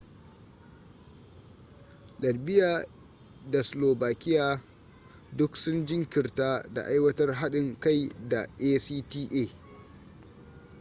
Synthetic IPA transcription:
ɗɐ˨rbɪ˦jaː˨ | da˨sloː˨baː˨kʲɪ˦jaː˦ | dʊ˦ksʊ˦nd͡ʒɪ˦ŋkʲɪ˨rtaː˦da̰˨ʔa˦jwɐ˦tɐ˦rɦa˦ɗɪ˨ŋka˦˨jda̰˨ʔeː˦siː˦tiː˦ʔeː˦˨

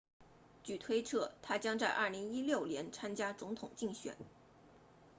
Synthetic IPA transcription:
t͡ɕy˥˨˩t̪ʰwe˥ɪʈ͡ʂʰɤ˥˩t̪ʰa˥t͡ɕjɑ˥ŋt͡sa˥˧ɪʔɐ˞˥˩li˧˥ŋi˥ljo˥˩ʊljɛ˧˥nt͡sʰa˥nt͡ɕja˥t͡sʊ˧˥ŋt̪ʰʊ˨˩ŋt͡ɕi˥˩ŋɕɥɛ̰˨˩˦n

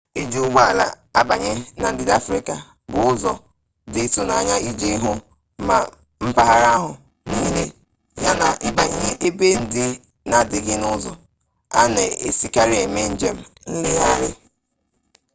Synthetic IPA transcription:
e˨d͡ʒu˨ɡ͡ba˦la˦ | a˦ba˨ɲe˦na˨n̩˦dɪ˦da˦fɾi˨ka˨ | bʊ˨ʊ˦zɔ˦ | dɪ˨tu˦na˦ɲa˦i˦d͡ʒi˦ɦʊ˦ | ma˦ | m̩˦pa˦ɦa˦ɾa˦ɦʊ˨ | niː˦ne˦ | ja˦na˨ʔɪ˦ba˨ɲe˦e˦ʔe˦be˦n̩˨dɪ˨ | na˨dɪ˨ɡɪ˦nʊ˦zɔ˦ | a˦ne˨e˨si˨ka˦ɾi˦e˦˨me˦n̩˦d͡ʒe˦m̩˦n̩˦lɪ˦ja˦ɾɪ˦

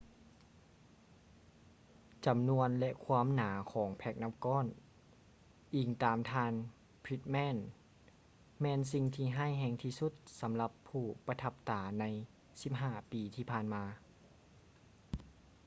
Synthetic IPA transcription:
t͡ɕa˨˦mnu˧ənlɛ˧ʔkʰwaː˧˥˨mnaː˩˦kʰɔː˩˦ŋpʰɛ˧˩k̚na˧˥mkɔː˧˥˨n | ʔiː˨˩ŋt̪aː˨˩mt̪ʰaː˧n | pʰɾi˧t̪̚mɛː˧˥˨n | mɛː˧nsi˧ŋt̪ʰiː˧˩ɦaː˥˩˨jɦɛː˧˩ŋt̪ʰiː˧˩su˧˥t̪̚sa˨˦mla˧˦pʰːuː˧˩pa˧t̪ʰa˧p̚t̪aː˨˩˦na˧˥j | si˧˦p̚ɦaː˧˩piː˨t̪ʰiː˧pʰaː˧˨nmaː˧

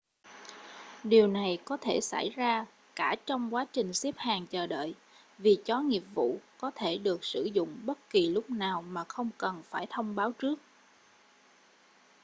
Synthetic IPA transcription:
ɗi˨˩əwna˨˩jkɔ˨˦t̪ʰe˧˩sa̰˧˩jzaː˧ | kaː˧˩t͡ɕɔ˧wŋ͡mkwaː˨˦t͡ɕï˨˩ŋ̟si˦˥əp̚haː˨˩ŋt͡ɕəː˨˩ɗə̰ː˧˨j | vi˨˩t͡ɕɔ˨˦ŋi˨˩əp̚vṵ˧˨kɔ˨˦t̪ʰe˧˩ɗɨ˨˩ək̚sɨ˧˩zʊ̰˧˨ŋ͡mɓə˦˥t̚ki˨˩lʊ˦˥k͡p̚naː˨˩wmaː˨˩xə˧wŋ͡mkə˨˩nfaː˧˩jt̪ʰə˧wŋ͡mɓaː˨˦wt͡ɕɨ˦˥ək̚

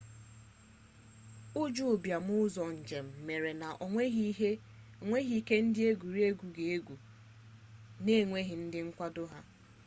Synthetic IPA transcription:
ʊ˦d͡ʒʊ˦˨bja˨m˦ʊ˦zɔ˨n̩˨d͡ʒe˨m̩˨me˨ɾe˨na˨ʔʷe˦e˦ | ŋʷe˦ɦi˨˦ke˦n̩˦dɪ˦e˦ɡu˨ɾi˦e˦ɡʷu˨ɡe˨e˦ɡu˨ | ne˦˨ŋʷe˦ɦɪ˨n̩˦dɪ˦ŋ̩˦kʷa˦dʊ˦ɦa˦

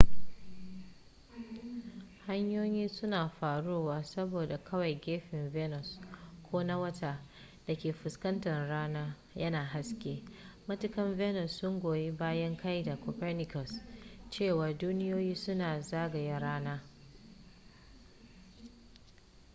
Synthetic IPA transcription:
ha˦ɲjoː˦jiː˦sʊ˦naː˨ɸaː˨ɽoː˦waː˨sɐ˦boː˨da˨kʰɐ˦wa˨jɡʲeː˦ɸɪ˨ɱvɛ˦nɔ˨skʷʰoː˦na˦wɐ˦tʰaː˦ | d̥a˨kʲeː˨ɸʊ˨skɐ˦ntɐ˨nɽaː˦naː˦ | jɐ˦naː˨ɦa˦skʲeː˦mɐ˦tʊ˦kɐ˦mvɛ˦nɔ˨sːʊ˦ŋɡʷoː˨ji˦baː˦jɐ˦ŋkʰa˦jda˨kɔ˨pɛ˦rnɪ˦kɔ˨st͡ʃeː˦˨wa˨duː˦nɪ˦joː˦jiː˦sʊ˦naː˨zaː˦ɡɐ˨ja˦ɾaː˦naː˦

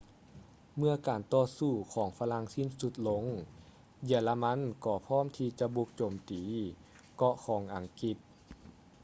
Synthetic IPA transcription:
mɯ˧ɐkaː˨˩nt̪ɔː˧˩suː˧˩kʰɔː˨˦ŋfa˧la˧˥˨ŋsi˧˥˨nsu˧˦t̪̚lo˧˦˥ŋ | ji˧˩la˧ma˧˥˨nkɔː˧˩pʰɔː˥˨mt̪ʰiː˧t͡ɕa˧ʔbu˧k̚t͡ɕoː˨˩mt̪iː˨˩ | kɔ˧ʔkʰɔː˨˩˦ŋʔa˨˩ŋki˧t̪̚

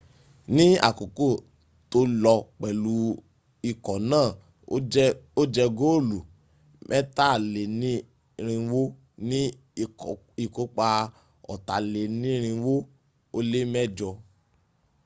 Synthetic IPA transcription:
nĩ˦a̰˦˨ko˨ko˦˨ | to˧lɔ˧k͡pɛ˨lu˨˦ | i˧˨kɔ˨nãː˦˨˦ | o˦d͡ʒɛ˧ɡo˦˨lu˨ | mʔɛ˦ta˦˨le˨nĩ˦ | ɾ̃ĩ˧wo˦ | nĩ˦˨ | i˨ko˦k͡pa˧ | ɔ̰˨ta˨le˨nĩ˦ɾ̃ĩ˧wo˦ | o˦le˦mɛ˦˨d͡ʒɔ˧

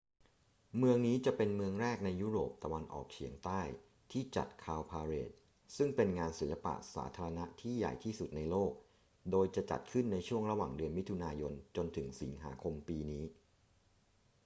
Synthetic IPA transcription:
mɯ˧əŋniː˦˥t͡ɕa˨˩pe˧nmɯ˧əŋɾɛː˥˩k̚na˧jːuː˦˥ɾoː˨˩p̚t̪a˧wa˧nʔɔ̰ː˨˩k̚t͡ɕʰḭ˨˩˦əŋt̪aː˥˩j | t̪ʰiː˥˩t͡ɕa̰˨˩t̪̚kʰaː˧wpʰaː˧ɾeː˨˩t̪̚ | sɯ˥˩ŋpe˧nŋaː˧nsi˩˦la˧pa̰˨˩ʔsa̰ː˩˦t̪ʰaː˧ɾa˧na˦˥t̪ʰiː˥˩ja̰˨˩jt̪ʰiː˥˩su˨˩t̪̚na˧jloː˥˩k̚ | doː˧jt͡ɕa˨˩t͡ɕa̰˨˩t̪̚kʰɯ˥˩nːa˧jt͡ɕʰu˥˩əŋɾa˧wa̰ː˨˩ŋdɯ˧ənmi˦˥t̪ʰu˧naː˧jo˧nt͡ɕo˧nt̪ʰɯ˩˦ŋsi˩˦ŋɦa̰ː˩˦kʰo˧mpiː˧niː˦˥

